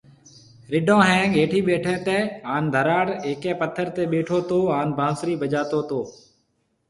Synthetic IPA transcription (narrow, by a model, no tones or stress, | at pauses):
ɾɪɖõːɦɛ̃ːɠeːʈʰiːɓeːʈʰɛ̃ːt̪ẽːaːnd̪ʱəɾaːɽeːkɛ̃ːpət̪ʰːəɾt̪eːɓeːʈʰoːt̪oːaːnbʱãːsɾiːbʱəd͡ʒaːt̪oːt̪oː